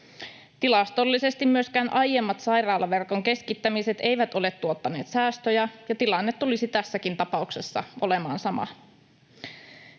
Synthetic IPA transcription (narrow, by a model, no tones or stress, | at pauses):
t̪ilɑst̪o̞lːise̞st̪immyøskæːnʔɑjjemːɑt̪sɑjrɑːlːɑʋe̞rko̞ŋk̟e̞skit̪ːæmiset̪e̞jʋæt̪o̞le̞t̪ːuot̪ːɑne̞ːt̪sæːst̪øjæjɑt̪ilɑnːet̪ːulisit̪æsːækint̪ɑpɑukse̞sːɑ̰ʔo̞le̞mɑːnsɑmɑ̰